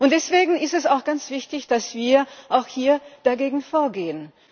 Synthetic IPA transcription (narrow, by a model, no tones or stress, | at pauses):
ʔʊnt̚d̥ɛsv̥eːɡŋ̩ɪstɛsaʊxɡ̥ant͡sv̥ɪçtɪçd̥asv̥iːɐʔaʊxhiːɐd̥aɡeːɡŋ̩foːɐɡeːən